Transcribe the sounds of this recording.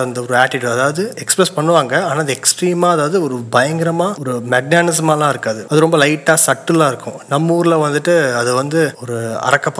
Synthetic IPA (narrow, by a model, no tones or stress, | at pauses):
ɐnd̪ɐɔɾɯaːʈːɪʈːuːɐðaːʋɐðɯɛkspɾɛspɐɳːɯʋaːŋɡɐaːnaːɐðɯɛksʈɾiːmaːɐðaːʋɐðɯɔɾɯbɐjɐŋɡɪɾɐmaːɔɾɯmɛɡ̚naːnɪsɐmaːlãːɪɾɯkːaːðɯɐðɯɾɔmbɐlɐɪʈːaːsɐʈːɯlãːɪɾɯkːʊ̰̃nɐmːuːɾɪlɐʋɐnd̪ɯʈːɯɐðɯʋɐnd̪ɯɔɾɯɐ̰ɾɐkːɐpː